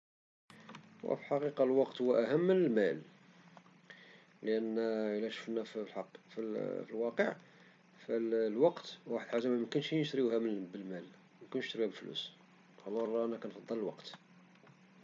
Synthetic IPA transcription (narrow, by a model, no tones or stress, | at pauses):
wæ̰filħɑqiqɑlwɑqt̪huwːæʔæɦəmːənəlmæl | ləʔənːəlːæʃu̥fənæflħɑqːfilfilwɑqəʕ | fællwɑqt̪waħəd̪ħazæmæməkʊnʃinəʃt̪ɾiuhæmnbəlmæl | mækʊnʃt̪əɾbæbəlflṵs | hɑlːɑɾˤɑʔænækænfɑd̪ˤːɑləlwɑ̰qt̪